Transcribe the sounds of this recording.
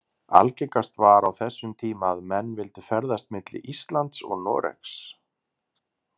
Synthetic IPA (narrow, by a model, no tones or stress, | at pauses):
a̰lcɛkast̪vaɾawθɛsːʏmt̪ʰiːmaðmɛnːvɪlt̪ʏfɛɾðast̪mɪt̪lɪ̰ʔist̪lant̪sɔ̰ɣnɔ̰ːɾɛ̰ks